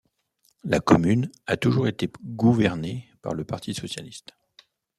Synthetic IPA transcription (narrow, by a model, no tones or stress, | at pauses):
la̰kɔmynat̪uʒuʁet̪eɡuvɛʁnepa̰ʁləpaʁt̪ʰisɔsjalist̪